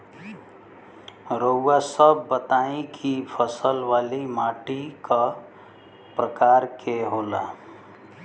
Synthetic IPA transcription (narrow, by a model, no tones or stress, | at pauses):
ɾoasəbːət̪aĩkʰipʰəsəlʋalimaʈika | pɾəkaɾkʰeɦola